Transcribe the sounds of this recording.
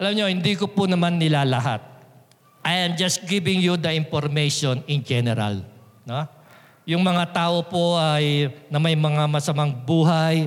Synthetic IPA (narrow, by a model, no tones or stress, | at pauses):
ʔɐlamɲo̞hɪnd̪ikopʊnɐmanːɪlaːlɐɦa̰t̪̚ | ʔɐjamd͡ʒɐsɡɪvɪŋjud̪ɐʔɪmpoɾmejʃonɪnd͡ʒɛnɛɾɐ̰l | no̞ | jʊŋmɐŋat̪aːʔo̞po̞ʔɐjnɐmɐjmɐŋamɐsɐmaŋbuːɦaj